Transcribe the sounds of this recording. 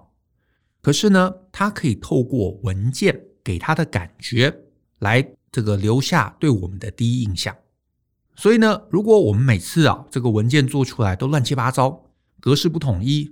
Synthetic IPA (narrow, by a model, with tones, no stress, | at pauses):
kʰɤ˨˩ʂɻ̩˥˩nə˩t̪ʰa˥kʰɤ˧˥i˨˩t̪ʰo˥˧ʊkwɔ˥˩wə˧˦˥nt͡ɕjɛ˥˩nke˨˩ɪt̪ʰa˥d̪ə˨ka̰˨˩nt͡ɕɥɛ˧˥ | la˧˥ɪ | ʈ͡ʂɤ˥˩ɡə˩ljo˧˥ʊɕja̰˥˧t̪we˥˩ɪwɔ˨˩mə˦nd̪ə˧t̪i˥i˥i˥˧ŋɕjɑ̰˥˩ŋ | swɔ˧˥i˨˩nə˦ɻu˧˥kwɔ˧˥wɔ˨˩mə˦nme˨˩ɪt͡sʰɹ̩˥˩ɑ̰˩ʈ͡ʂɤ˥˩ɡə˩wə˧˥nt͡ɕjɛ˥˧nt͡swɔ˥˩ʈ͡ʂʰu˥la˧˥ɪt̪o˥ʊlwa˥˩nt͡ɕʰi˥pa˥t͡sɑ˥ʊ | kɤ˧˥ʂɻ̩˥˧p̬u˥˩t̪ʰʊ˨˩ŋi˥˩